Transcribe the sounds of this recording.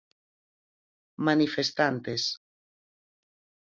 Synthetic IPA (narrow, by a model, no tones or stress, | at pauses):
manifest̪ant̪es